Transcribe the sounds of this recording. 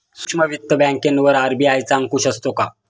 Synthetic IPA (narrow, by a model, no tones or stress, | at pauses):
su̥kʂməʋit̪ːəbæ̃ŋkenʋəɾaɾbiajt͡saŋkuɕəst̪oka